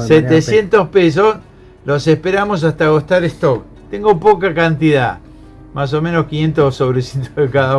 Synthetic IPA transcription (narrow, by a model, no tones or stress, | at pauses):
set̪esje̞nt̪ospes̬os | losehpeɾamos̬ast̪aɣost̪aɾest̪ok | t̪eŋɡopokakant̪iða̰ | mas̬o̞menoskinje̞nt̪osoβɾesit̪oðekaða